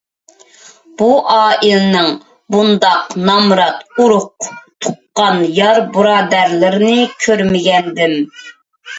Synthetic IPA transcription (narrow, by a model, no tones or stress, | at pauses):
b̥uʔɑːʔilɪnɪŋ | bund̪ɑqnɑmɾɑt̪uɾʊq̚t̪ʰuqːɑnjɑɾbɨɾɑːd̪æɾlɪɾɪnɪkʲʰøɾmɪɡʲɛnd̪ɪm